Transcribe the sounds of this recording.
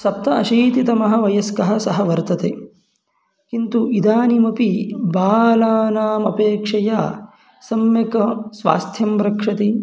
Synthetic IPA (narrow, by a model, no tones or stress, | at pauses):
sɐp̚t̪ɐɐʃiːt̪it̪ɐmɐɦɐ̆ʋɐjɐskɐɦɐ̆sɐɦɐʋɐɾt̪ɐt̪ḛː | kint̪uʔid̪aːnimɐpibaːlaːnaːmɐpeːkʂɐja̰ː | sɐmjɐkɐsʋa̰ːst̪ʰjɐmɾɐkʂɐt̪i